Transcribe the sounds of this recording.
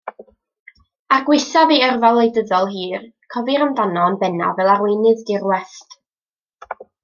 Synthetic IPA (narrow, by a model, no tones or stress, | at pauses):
aɡwɪθaviərvalˠejdəðɔlˠɦiːrkʰɔvɨɾəmdanɔnbɛna̰vɛlˠarwɪnɨðdɪrwɛst